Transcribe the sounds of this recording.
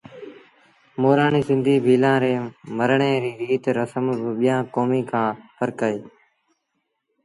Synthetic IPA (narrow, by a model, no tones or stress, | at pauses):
moːɾaːɳiːsɪ̃nd̪ʱiːbʱiːlãːɾeːməɾɳeːɾiːɾiːt̪ɾəsəmbɪɓɪjãːkoːmiːkʰãːpʰəɾkəeː